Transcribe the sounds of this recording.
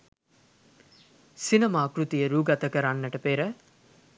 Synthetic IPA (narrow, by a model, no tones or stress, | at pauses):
sinɐmaːkɾut̪ijəɾuːɡat̪əkəɾanːəʈəpeɾə